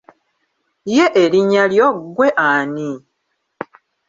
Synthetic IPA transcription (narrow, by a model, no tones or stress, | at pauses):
jeʔeliɲaljoɡweʔaːni